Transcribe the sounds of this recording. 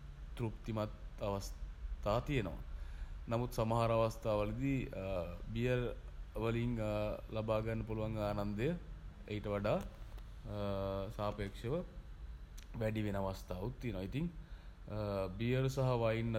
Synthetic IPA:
t̪ɾupt̪imɐt̪ɐʋɐst̪ʰaːt̪ijenɐ̰ʋa̰nɐmut̪sɐmɐɦaɾɐʋɐst̪ʰaːʋɐlid̪i | bijɐɾʋɐliŋlɐbaːɡanːɐpuluʋaŋɡaːnɐnd̪əjə | ejʈəʋɐɖaː | saːpeːkʂeʋə | ʋæɖiʋenɐʋɐst̪ʰaːut̪ːijenɐʋait̪iŋ | bijɐɾusɐɦɐʋajinːɐ

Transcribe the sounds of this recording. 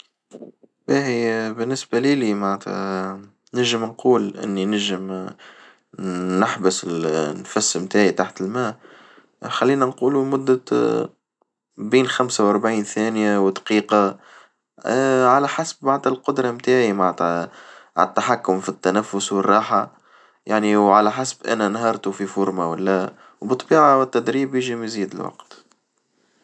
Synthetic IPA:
bæħibɪnːɪsbæliːlimaʕt̪ʰ | nɪʒɪmnquːlʔɪ̰nːinæʒɪm | nɪħbʊsɪlnfæsːmt̪aːʕit̪aħt̪ɪlmæː | xalːiːnænquːlumʊd̪ːa | biːnxamsawʔɑɾˤbʕiːnθæːnjawɪd̪qiːqɑ | ʕalæħasbːaʕd̪ɪlqʊd̪ɾˤɑmt̪aːʕimaʕ | ʕat̪ːaħakːʊmfit̪ːænæfːʊswərˤːɑːħa | jaʕniwʕalæħasbʔæ̰nænɦɑɾˤt̪ufifʊɾmawɪlːæ | wbɨt̪ˤːbiːʕawɪt̪ːæd̪ɾiːbjəʒimæziːd̪ɪ̰lwɑ̰qt̪

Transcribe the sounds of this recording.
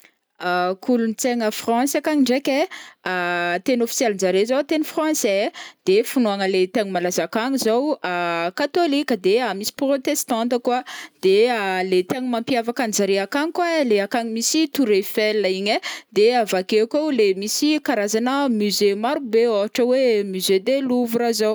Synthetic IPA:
akulunt͡seŋəfrɑ̃sakaŋiɳɖ͡ʐekʲeat̪enofi̥sjɛlind͡zaɾezowt̪enifrɑ̃sɛd̪̥efunoaŋəlet̪eŋimalazakaɲizowakat̪olikʲəd̪eamisi̥prot̪est̪ãnt̪əkwad̪̥ealet̪eɲimãmpiavakanzaɾeakaŋikwaleakaɲimisit̪uɾefɛlːaiɲed̪eavakekowlemisikaɾazanəmyzemaɾubeaɦaʈ͡ʂəwemyzed̪eluvuɾazow

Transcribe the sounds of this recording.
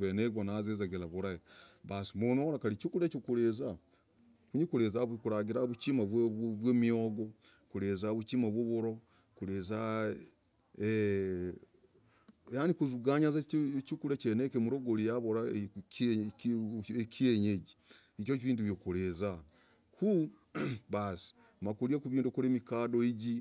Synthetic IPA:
βeneɡwanazezeɡelaβuɾajeβasimonoɾakalit͡ʃukulet͡ʃikuɾeza | kuɲikuɾezaβkuɾaɡiɾaβut͡ʃimaβwβwemioɡo | kuɾezaβut͡ʃimaβwoβuɾo | kuɾeza | e | janikuzuɡaɲazat͡ʃukuɾet͡ʃenekemuɾoɡolijaβoɾa | ekieɲeɟi | it͡ʃokiβiːnduβjokuɾeza | kʰu | βasi̥ | makuɾiakuβiːndukuɾemikaːdoiɟi

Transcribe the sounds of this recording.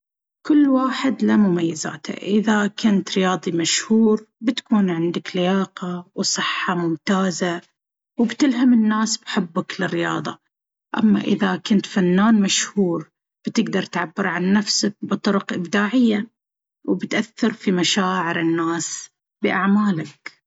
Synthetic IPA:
kʊlːwaːħɪd̪lamʊmajːɪza̰ːt̪a̰ʔɪðakʊnt̪ɾɪjɑːðˤimaʃhuːɾbɪt̪ḁkuːnʕɪnd̪aklɪjaːqɑwsˤɨħːɑmʊmt̪aːza | wbt̪ɪlɦamɪnːaːsbħɪbːaklɪrːɪjɑ̰ːðˤɑ̰ | ʔa̰mːa̰ʔɪ̰ðakʊnt̪fanːaːnmaʃhuːɾ | b̥ɪt̪ɪɡd̪ɑɾˤt̪ʕabːɪɾʕanːafsak̚bɨt̪ˤʊɾʊqʔɪbd̪aːʕɪjːa | wbɪt̪ʔaθːɑɾfimaʃaːʕɪɾɪnːaːs | bɪʔaʕmaːlak

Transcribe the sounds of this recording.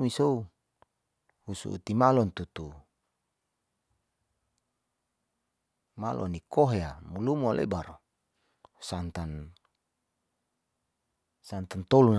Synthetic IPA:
misou | husṵʔṵt̪imalɔnt̪ut̪u | malʔɔ̰nikoɦeamulumualḛbaɾ | sant̪an | sant̪ant̪olun

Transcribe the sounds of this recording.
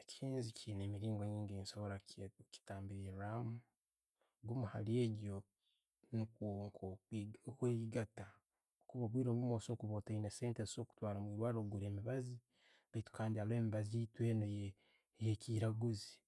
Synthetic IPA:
ecʰiːnzicʰiːneːmiɾiːŋɡoɲiːŋɡeːnsoβoɾaki̥taːmbiɾiɾamu | ɡomuha̰lie̞ɟo̞ | nikwoːŋkʰokweiɡata | okuβaβwiːɾoːmumoːso̞ːkuβoːtaineseːnteo̞ːku̥twaːɾomwiːɾwaɾoɡuɾe̞ːmiβazi | βaitu̥kaːndiale̞ːmiβazitweːnoje | jekiːɾaɡuzi

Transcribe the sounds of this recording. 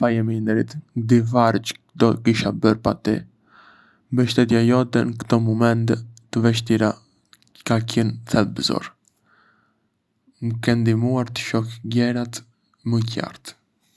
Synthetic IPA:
pajɛmind̪ɛɾit̪d̪ivaɾt͡ʃ | d̪ɔkiʃabəɾpat̪ḭ | mbəʃt̪ɛt̪jajɔd̪ɛnəkt̪ɔmɔmɛnt̪ɛt̪əvɛʃt̪iɾa | kacənθɛlbəzɔ̰ɾ | məkɛnd̪imuaɾt̪ə̥ʃɔkɡɛɾat̪ | məca̰ɾt̪

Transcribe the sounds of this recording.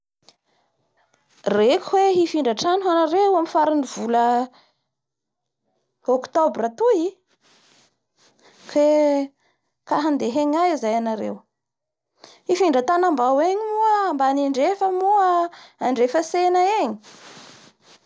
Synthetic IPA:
rekʲhweɦifiɳɖ͡ʐaʈ͡ʂanɦanaɾeuamifaɾiniv̥ulə | okt̪obrət̪ui | kʰe | kaɦand̪eɦeɲajizajanaɾḛw | hifiɳɖ͡ʐət̪anambaweɲimuəambaniɳɖ͡ʐefəmuəaɳɖ͡ʐefəsenəeɲi̥

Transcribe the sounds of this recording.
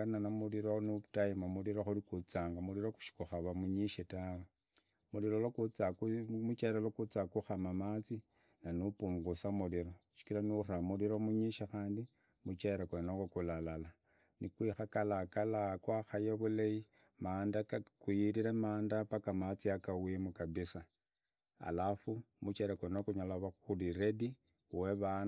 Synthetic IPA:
nanamuliɾonutajimamuliɾoxuɾikut͡saːŋɡamuɾiɾoku̥ʃi̥kuxaβamuɲiʃetawe | muɾiɾolokut͡sakumut͡ʃaiɾalokut͡sakuxamamat͡si | nanupuːŋɡusamuliɾo̞ʃi̥kilanuramuliɾomuɲiʃaxaːndi | mut͡ʃeɾakwenakakulalala | nikwixakalakalakwaxajaβuleji | maːndakakujiɾiɾamaːndapakamat͡siakawimukaβisa | a̰lafumut͡ʃeɾakwenokuɲalaβaxuliɾe̞di | weβan

